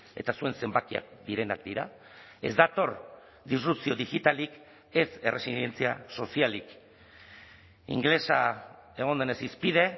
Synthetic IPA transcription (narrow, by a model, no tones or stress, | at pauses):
e̞t̪asue̞nse̞mbakia̰k̚d̪iɾe̞na̰kd̪iɾa̰ | e̞̰zd̪at̪o̞ɾ | d̪isrupt͡sio̞ðiɣit̪alik | e̞se̞rʔe̞silje̞nt͡siaso̞sialik | ḭŋɡle̞sae̞ɣ̞ond̪e̞nesispið̞e̞